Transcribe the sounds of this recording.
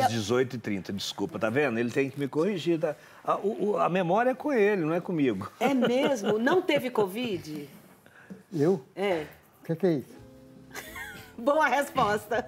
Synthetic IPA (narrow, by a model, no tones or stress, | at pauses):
zd͡ʒɪzojt̪ʊɪt̪ɾĩnt̪ɐd͡ʒɪskupɐt̪avẽnd̪ʊelɪt̪ẽj̃kɪmɪkohiʒiɾt̪a | aʊʔɐmemɔɾiɐɛkõelɪnɐ̃w̃ɛkõmiɡʊɛmezmʊnɐ̃w̃t̪evɪkovid͡ʒɪ | ewɛ | ʊkekɛisʊ̥ | boɐhespɔst̪ɐ